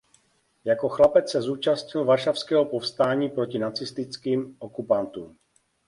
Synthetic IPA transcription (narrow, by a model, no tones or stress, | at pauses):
jako̞xlapɛt͡ssɛzuːt͡ʃastɲɪlvaɾʃafskɛɦopofst̪aːɲiːpɾo̞cɪnat͡sɪst̪ɪt͡skiːmʔokupant̪uːm